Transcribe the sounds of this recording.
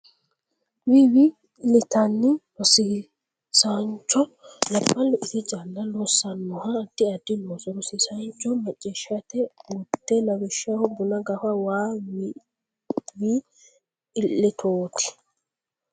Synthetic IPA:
wiwi | lɪt̪ɐnːɪɾɔsi | saɲt͡ʃːɔlɐbːɐlːɔʔɪt̪ɪd͡ʒalːɐlɔsːɐnːɔhad̪̥ɪɐd̪ːɪnoːsɔɾɔsisant͡ʃːɔmɐt͡ʃʼːɛʃɐt̪ɛut̪ːɛnɐwɪʃahɔbʊnɐɡɐfɐwaːw | wiː | lːɪt̪ʰoːt̪ʰɪ̥

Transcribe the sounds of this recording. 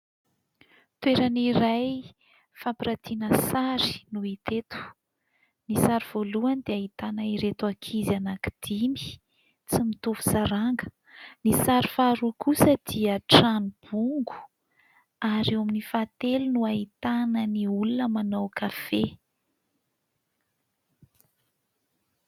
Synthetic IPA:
t̪weɾaniɾaj | fapiɾat̪ʰinəsaɾi̥nuit̪et̪u̥ | nisaɾiv̥oluand̪̥eaɦit̪anaiɾet̪uakʰizianaki̥d̪̥imi̥ | t͡simit̪uvu̥saɾaŋɡə | nisaɾifaɾukʰusəd̪̥iəʈ͡ʂanub̥uŋɡu̥ | aɾawaminifat̪elunuaɦit̪anəniulunəmanawkafe

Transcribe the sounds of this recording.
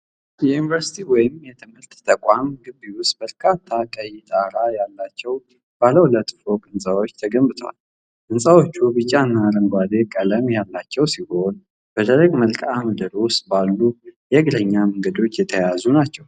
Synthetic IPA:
jɛjunivəɾsi̥t̪ʰiwɔjɪmjɛt̪ʰɨmhɨɾt̪ːʰəkʼamɡɨbːiwʊst̪̚b̥əɾkʰat̪ʰːakʼəjid̪ʼaɾajalːat͡ʃːɛw | b̥aləwlət̪ʼfokʼɨnsʼaβo̞t͡ʃːt̪ʰəɡəmbɨt̪ʰəwa̰l | ʔɨnsʼawo̞t͡ʃːubɨt͡ʃʼːaɨnːaɾəŋɡʷad̪e̞kʼələmjalːat͡ʃːɛwsiho̞n | b̥əd̪ʰəɾəɡməlkʼaməd̪əɾosbalːujɛɡləɲːaməŋɡəd̪o̞t͡ʃːjɛt̪ʰəjazunat͡ʃːɛw

